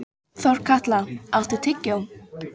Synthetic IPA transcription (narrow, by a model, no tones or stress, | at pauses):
θɔɾ̥kʰaht̪laawht̪ut̪ʰɪcːawm